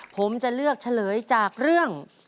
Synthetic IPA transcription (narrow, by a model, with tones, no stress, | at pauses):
pʰo˩˦mt͡ɕa˨˩lɯ˥˩ək̚t͡ɕʰa˧lɤː˩˦jt͡ɕaː˨˩k̚ɾɯ˥˩əŋ